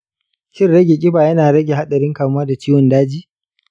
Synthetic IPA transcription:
kʲɪ˦rɽɐ˦ɡʲe˨kʲʼɪ˦baː˨jɐ˦naː˨ɾɐ˦ɡʲe˨ɦa˦ɗɐ˨ɾɪ˦ŋkaː˨m˦aː˦da˨t͡ʃiː˦wɔ˨ndaː˦d͡ʒiː˦

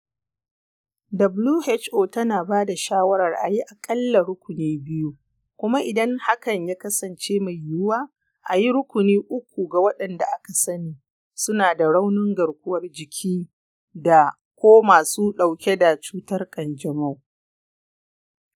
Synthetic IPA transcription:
dɐ˨bluː˦hɛ˦t͡ʃʔoː˨tɐ˦naː˨baː˦da˨ʃaː˦wɐ˦ɾɐ˨rʔa˨ji˦ʔa˨kʼɐ˦lːa˨ɾʊ˦kʷʊ˨niː˦bɪ˦ju˦ | kʷʊ˦ma˦ʔɪ˨dɐ˦ŋha˦kɐ˨ɲjaː˦kɐ˦sɐ˨nt͡ʃeː˦ma˨jjːʊ˦waː˦ | ʔa˨ji˦ɾʊ˦kʷʊ˨niː˦ʔʊ˦kʷu˨ɡa˨wɐ˦ɗɐ˨nda˨ʔa˦ka˨sɐ˦niː˨ | sʊ˦naː˨da˨ɽa˦wnɪ˦ŋɡɐ˨ɽkʷʊ˦wɐ˦rd͡ʒɪ˨kʲʰiː˦ | da˨ | kʷoː˦maː˨suː˦ɗa˨wkʲe˦da˨t͡ʃuː˦tɐ˦rkʼɐ˨nd͡ʒɐ˨ma˦w

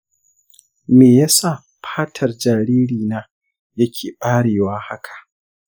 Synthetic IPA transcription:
meː˨ja˦sa˦˨ | ɸʰaː˦tʰɐ˨rd͡ʒaː˨ɾeː˦ɽiː˨naː˦ | jɐ˦kʲʰeː˨ɓaː˦ɽeː˨waː˦ha˦kʰḁ˨ʔ

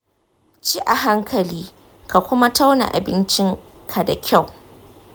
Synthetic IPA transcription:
t͡ʃiː˦ʔa˨ɦa˦ŋkʰɐ˨liː˦ | ka˨kʷʊ˦ma˦ta˦wna̰˨ʔa̰˨bɪ˦nt͡ʃɪ˦ŋ | kʰa˨da˨kʲa˦˨w

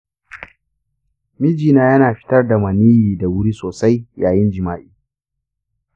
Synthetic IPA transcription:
mi˦d͡ʒiː˨naː˦jɐ˦naː˨ɸɪ̥˦tɐ˦rda˨mɐ˨niː˦jiː˨da˨wʊ˦ɽiː˦soː˨sa˦jjaː˨jɪ˦nd͡ʒɪ˨maː˦ʔiː˦

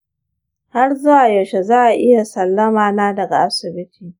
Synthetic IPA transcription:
ha˦rzʊ˦wa˨ja˨ʃe˨zaː˦ʔa˨ʔɪ˦ja˨sɐ˨lːɐ˦maː˨naː˦dɐ˨ɡa̰˨ʔa˨sɪ˨bɪ˦tʰiː˨

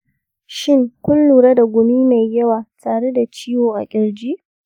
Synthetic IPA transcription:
ʃɪ˦˨ŋkʷʊ˦nluː˨ɽa˦da˨ɡʷʊ˨miː˦ma˨jːɐ˦waː˨taː˨ɽe˦da˨t͡ʃiː˦woː˨ʔa̰˨kʲʼɪ˦ɽd͡ʒiː˦

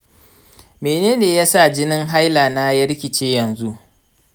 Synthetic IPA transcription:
meː˨neː˦neː˨ja˦sa˦˨d͡ʒɪ˦nɪ˦ŋɦa˦jlaː˨na˦jɐ˦ɽkʲɪ˨t͡ʃeː˦jɐ˨nzu˦ʔ

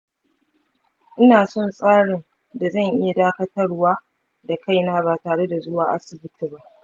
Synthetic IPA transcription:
ʔɪ˦naː˨sɔ˦˨nsʼaː˦ɽɪ˨n | da˨zɐ˦˨ŋʔɪ˦ja˨daː˦kɐ˦tɐ˦rwaː˦ | da˨kʰa˦˨jnaː˦baː˨taː˨ɽe˦da˨zʊ˦waː˨ʔa̰˦sɪ˨bɪ˦tʰi˨ba˦ʔ

